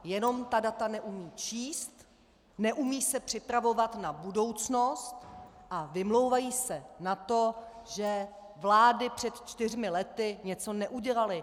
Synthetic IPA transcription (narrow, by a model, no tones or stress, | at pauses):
jɛno̞mt̪adat̪anɛʔumiːt͡ʃiːst̪ | nɛʔumiːsɛpr̥ɪpɾavo̞vat̪nabudo̞wt͡sno̞st̪ʔavɪmlo̞wvajiːsɛnat̪o̞ʒɛ | vlaːdɪpr̝̥ɛt̪t͡ʃt̪ɪr̝mɪlɛt̪ɪɲɛt͡so̞nɛʔuɟɛlalɪ